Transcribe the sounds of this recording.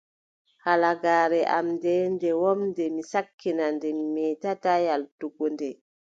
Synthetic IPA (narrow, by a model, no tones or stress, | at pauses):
halaɡaːɾɛʔamndɛndɛwɔmndɛmisakʰːinandɛmimɛtatajaltuɡɔndɛ